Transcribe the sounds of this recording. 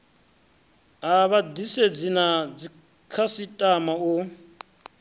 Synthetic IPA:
aβadised͡zinad͡zi | kʰasitʼamau

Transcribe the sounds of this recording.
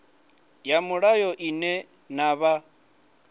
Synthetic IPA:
jamʊɺajɔʔinɛ | naβa

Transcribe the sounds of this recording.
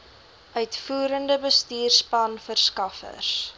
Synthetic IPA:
œɥtfuːɾəndəbəstiːrspɐnfərskɐfə̰rs

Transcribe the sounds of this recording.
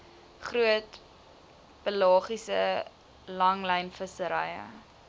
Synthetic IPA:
χruət | b̥əlɑːχisə | lɐŋlɛjnfəsəɾɐjə̰

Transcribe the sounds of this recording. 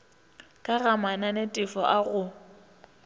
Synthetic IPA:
kʼaɣamananetʼɪfɔʔaɣʊ

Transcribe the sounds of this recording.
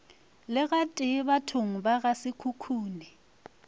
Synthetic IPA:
lɪɣatʼɪβatʰʊŋ̩baɣasɪkʰukʰuːnɪ

